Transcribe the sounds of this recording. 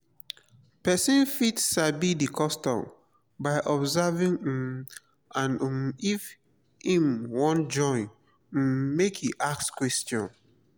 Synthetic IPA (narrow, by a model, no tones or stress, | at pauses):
pɛsĩnfitʃabidikʰɔstɔ̰̃m | baɪʔɔbzɛvĩŋ̩m | ãnif | hĩmwɔ̃nd͡ʒɔ̃ɪ̃n̩ | mekhiʔak̚skwɛstjɔ̰̃n